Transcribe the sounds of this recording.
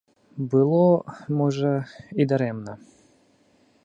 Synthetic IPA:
bɨlˠɔmɔʐəid̪ɐɾɛmnə

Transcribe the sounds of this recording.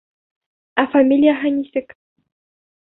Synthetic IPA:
afamʲilʲijaɦanʲisʲɘ̆kʲ

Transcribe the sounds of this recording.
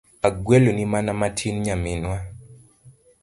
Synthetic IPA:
aɡwɛlonimanamatʰinɲamɪnwa

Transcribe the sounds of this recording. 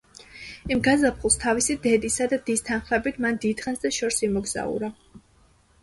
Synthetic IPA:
imɡazapʰχulˠst̪ʰavisid̪ɛd̪isad̪ad̪ist̪ʰanχlɛbit̪ʰmand̪id̪χɛnsd̪aʃɔɾsimɔɡz̥a̰ṵɾa

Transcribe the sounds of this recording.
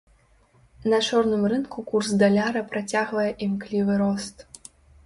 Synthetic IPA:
nɐt͡ʂɔrnɨmrɨnkukursd̪alʲaɾɐpɾat͡sʲaɣvɐjɛʔimklʲivɨɾɔst̪

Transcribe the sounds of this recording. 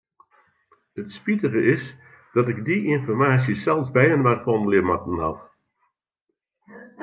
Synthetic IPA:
ətspitəɣəʔɪs | d̥ɑtɪɡdiʔɪnfɔrmaːsjəsɛlˠzbɛjənʋaːtfɔnəlɪmɑtən̩ɦɑ̰t

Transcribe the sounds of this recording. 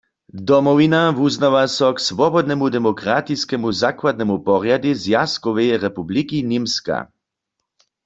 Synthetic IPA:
d̪ɔmɔvinavuznaʋasɔksʋɔbɔd̪nɛmud̪ɛmɔkʁat̪iskɛmuzakwad̪nɛmupɔʁjad̪izjaskɔʋɛjɛʁɛpublikinimska̰

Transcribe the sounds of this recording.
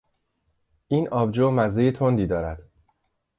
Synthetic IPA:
ʔiːnʔɒːbd͡ʒoːmæzejet̪ʰond̪iːd̪ɒːɾæd̪̥

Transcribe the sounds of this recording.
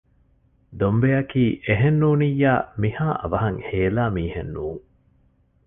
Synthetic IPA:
d̪ombejɐkiːʔeɦenːuːnijːaːmihaːʔɐ̰ʋɐɦɐŋheːlaːmiːhḛnːuːŋ

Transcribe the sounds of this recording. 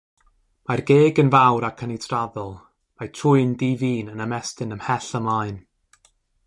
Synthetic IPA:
marɡeːɡənvawɾakʰənitʰraðɔlˠ | majtʰrʊɨndiːviːnənəmɛstɪnəmhɛɬəmlˠaɨn

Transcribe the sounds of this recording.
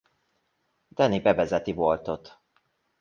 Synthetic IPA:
d̪̥ɛnibɛvɛzɛt̪ivolt̪o̞t̪

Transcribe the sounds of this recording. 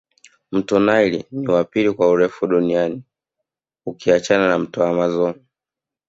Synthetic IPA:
m̩tɔnailiniwapilikwauɾɛfuɗuniani | ukiat͡ʃananam̩tɔamazɔn

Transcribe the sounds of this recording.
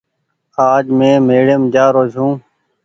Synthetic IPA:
aːd͡ʒmẽːmeːɽeːmd͡ʒaːɾoːzɦũː

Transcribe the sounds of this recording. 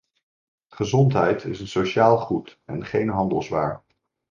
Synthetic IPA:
χəzɔntɦɛjtɪsənsowʃaːlˠχutɛ̰nχejnɦɑndəlˠzʋa̰ːɹ

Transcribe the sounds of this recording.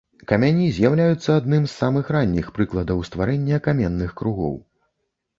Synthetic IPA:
kɐmʲanʲizʲjawlʲajut̪sːɐad̪nɨmsːamɨxranʲːixpɾɨklˠɐd̪ɐwst̪vaɾɛnʲːɐkamʲɛnːɨxkɾuɣɔ̰w

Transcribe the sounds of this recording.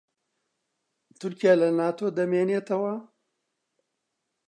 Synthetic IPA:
t̪ʊɾkijaːlɐnaːt̪ʰoːd̪ɐmeːneːt̪ɐwɐ

